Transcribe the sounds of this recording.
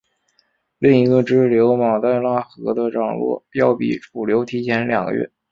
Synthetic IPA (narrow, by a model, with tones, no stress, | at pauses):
li˥˩ŋi˧˥ɡə˧ʈ͡ʂɻ̩˥˩ljo˧˥ʊmɑ˨˩ʊt̪a˥˧ɪla˥˩xɤ̰˧˥d̪ə˧ʈ͡ʂɑ˨˩ŋlwɔ̰˥˩pjɑ˥˧˩ʊpḭ˨˩fu˨˩ljo˧˥ʊt̪ʰi˧˥t͡ɕʰjɛ˧˥nljɑ˨˩ŋɡə̰˦ɥɛ̰˥˩